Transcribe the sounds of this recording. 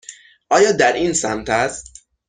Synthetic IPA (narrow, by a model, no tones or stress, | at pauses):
ʔɒːjɒːd̪æɾiːnsæmt̪ʰæst̪